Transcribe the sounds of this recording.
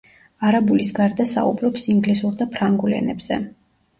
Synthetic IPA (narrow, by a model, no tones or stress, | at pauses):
aɾabulisɡaɾd̪asa̰ṵbɾɔpsiŋɡlisuɾd̪apʰɾaŋɡulɛ̰nɛbz̥ɛ̰